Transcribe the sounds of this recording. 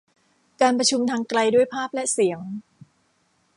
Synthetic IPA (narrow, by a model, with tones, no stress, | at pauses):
kaː˧npɾa˧t͡ɕʰu˧mt̪ʰaː˧ŋkɾa˧jdu˥˩əjpʰaː˥˩p̚lɛ˦˥ʔsi˩˦əŋ